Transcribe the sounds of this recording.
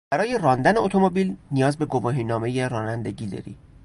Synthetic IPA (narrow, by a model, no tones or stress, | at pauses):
b̥æɾɒːje̞rɒːnd̪æne̞ot̪ʰomobiːlnijɒːzbe̞ɡovɒːɦiːnɒːme̞jeɾɒːnænd̪e̞ɟiːd̪ɒ̰ːɾḭː